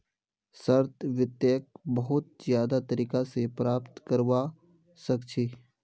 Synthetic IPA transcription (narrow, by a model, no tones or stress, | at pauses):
səɾt̪ʋɪt̪jəːk̚bɐɦʊt̪̚zjaːd̪at̪əɾiːkasepɾaːpt̪kɐɾʋa | sɐkt͡ʃʰiː